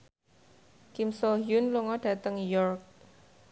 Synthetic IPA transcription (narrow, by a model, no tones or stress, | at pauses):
kɪmsoɦjʊnloŋɔɖ̥ä̤t̪əŋjɔrk̚